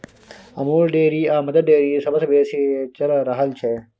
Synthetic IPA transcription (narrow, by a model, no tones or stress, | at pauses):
ɐmoːɾɖeːɾiːaːmɐd̪əd̪̚ɖeːɾiːsɐbɐsbeːset͡ʃɐlɾɐɦəlt͡ʃʰe